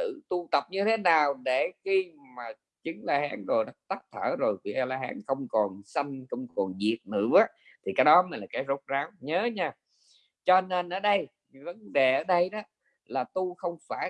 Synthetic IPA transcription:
ɨ̰˧˨t̪u˧t̪ə˨˩p̚ɲɨ˧t̪ʰe˨˦naː˨˩wɗe˧˩xi˧maː˨˩ | t͡ɕɨ˨˦ŋlaː˧haː˨˦nzo˨˩jɗaː˨˦˥t̪a˦˥k̚t̪ʰəː˧˩zo˨˩jki˨˧˩ʔa˧laː˧ɦaː˨˦nxə˧wŋ͡mkɔ˨˩nsə˧jŋxə˧wŋ͡mkɔ˨˩nzi˨˩ət̚nɨ̰˧˩˨ə˨˦ | t̪ʰi˨˩kaː˨˦jɗɔ˨˦ma˨˩laː˨˩kaː˨˦jzo˦˥t̚zaː˨˦wɲəː˨˦ɲaː˧˩ | t͡ɕɔ˧ne˧nʔəː˧˩ɗə˧j | və˨˦nɗe˨˩ʔəː˧˩ɗə˧jɗɔ˨˦ | laː˨˩t̪u˧xə˧wŋ͡mfaː˧˩

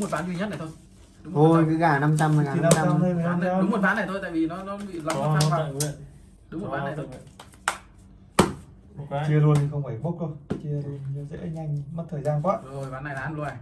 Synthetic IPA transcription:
ŋ͡mmo˨˩t̚ɓaː˨˦nzwi˧ɲə˦˥na˨˩t̪ʰo˧j | ɗʊ˨˦ŋ͡mʰo˨˧jkɨː˨˦ɣaː˧˩na˧mt͡ɕa˧m˨ɣaː˨˩˨a˨˧˨ə˧jmə˨˩˨ɗʊ˨˦mo˨˩ɓaː˨˦na˨˩jt̪ʰo˧jt̪aː˧˨vi˨˩nɔ˨˦nɔ˨˦ɓḭ˧˨la˧wt̪ʰːfaː˧˨˦ | ɗʊ˨˦ŋ͡m̚ɓa˨˦na˨˩t̪ʰo˧ | t͡ɕi˧əlu˧ənt̪ʰi˨˩xə˧wŋ͡mha˧˩ɓo˦˥t̚ko˧t͡ɕi˧ə˧n˨ɲɔ˨˦zḛ˧˥ɲa˧jŋmə˦˥t̚t̪ʰəː˨˩jzaː˧nkwaː˦˥o˧ɓaː˨˦nːa˨˩jlaː˨˦n˨˧˨na˨˩

